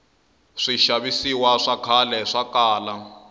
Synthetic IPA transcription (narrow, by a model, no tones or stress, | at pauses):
ʂiʃaβisiwaʂakʰalɛʂakaːla